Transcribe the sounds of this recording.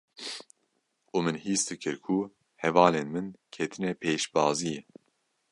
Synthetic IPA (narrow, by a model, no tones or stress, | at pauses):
uːmɨnhiːsd̪ɨkʰɨɾkʰu | hɛvɑːleːnmɨnkʰɛt̪ʰɨnɛpʰeːʃbɑːzijɛ